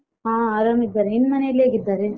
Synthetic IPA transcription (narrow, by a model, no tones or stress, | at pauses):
ɦãːaːɾamid̪ːaːɾeinːmɐnejɐlːeːɡid̪ːaːɾe